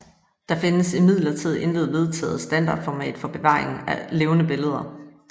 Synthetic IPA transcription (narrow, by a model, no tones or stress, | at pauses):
d̥ɑ̈fe̝nəsimið̰ˠlɐt͡sʰið̞̰ˠʔe̝nle̝ːð̞̩ˠʋe̝ð̞ˠt͡sʰɛ̰ːð̩ˠsd̥ænd̥ɑ̰̈ːd̥fɒmɛ̰ːd̥fɒ̽b̥e̝ʋɑ̰̈ːʁe̝ŋn̩æle̝ːʊnəb̥e̝ləð̞ˠɐ